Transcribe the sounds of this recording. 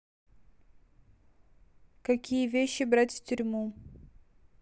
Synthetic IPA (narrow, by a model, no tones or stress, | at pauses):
kɐkʲijəvʲeɕːɪbɾatʲftʲʊɾʲmu